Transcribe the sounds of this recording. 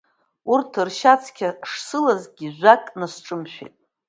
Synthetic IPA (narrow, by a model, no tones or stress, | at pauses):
urtʰɨrʃat͡sʰkʲʰaʂsɨlazɡʲiʒʷᶣakʼnasʈ͡ʂʼɨmʃᶣḛtʼ